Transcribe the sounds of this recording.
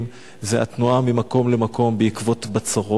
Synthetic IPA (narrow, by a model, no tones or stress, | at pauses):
m | zea̰t̪nuamimako̞mle̞mako̞mbeikvo̞t̪bat͡saʁo